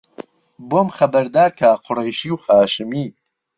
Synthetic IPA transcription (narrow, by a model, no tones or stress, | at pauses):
bomχɐbɐɾd̪aːɾkʰaːqʰʊrejʃiwhaːʃɨmiː